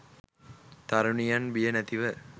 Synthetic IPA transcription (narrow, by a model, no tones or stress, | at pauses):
t̪ɐɾuɳijanʋijɐnɐt̪iʋɐ